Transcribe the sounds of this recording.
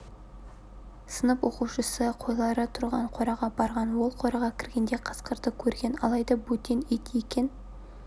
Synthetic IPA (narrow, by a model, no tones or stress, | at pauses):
sənəpwo̞quwʃəsəqʰo̞jlˠɑɾət̪ʰʊɾʁɑɴqʰo̞ɾɑʁɑbɑɾʁɑnwo̞lˠqʰo̞ɾɑʁɑkʲʰɪɾɡʲe̞nd̪e̞qʰə̥sqəɾd̪əkʲʰɵɾɡʲe̞nɑ̰lˠɑjd̪ɑbɵt̪ʲːenet̪jekʲe̞n